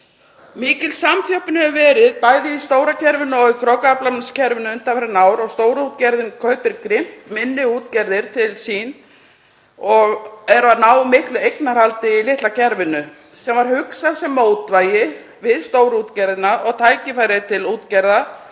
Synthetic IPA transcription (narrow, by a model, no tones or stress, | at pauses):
miːcɪlsamθjɔwhpnɪɛvvɛːɾɪðpaːjðɪist̪oːwɾacʰɛɾvɪnːʏɔɣikʰɾɔkaplamscʰɛɾvɪnʏʏnt̪afɛɾɪnaːwɾɔɣst̪oːwɾut̪cɛɾðɪnkʰœːɥpɪɾkɾɪm̥t̪mɪnːɪuːt̪cɛɾðɪɾ̥t̪ʰɪlsiːn | ɔɣɛɾvanaːwmɪhklʏejknaɾhalt̪ɪilɪht̪lacʰɛɾvɪnːʏ | sɛmvaɾ̥hʏksasɛmːout̪vaːjɪ | vɪðst̪oːwɾut̪cɛɾðɪnaʔɔɣt̪ʰaːjcɪfaːjɾɪðt̪ʰɪluːt̪cɛɾða